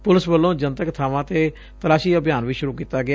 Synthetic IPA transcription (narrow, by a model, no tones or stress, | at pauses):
pʊlɪsbəlːõːd͡ʒənt̪əkt̪ʰaːʋãːt̪eː | t̪əlaːʃiːəbjaːnʋiːʃʊɾuːkiːt̪aːɡɪa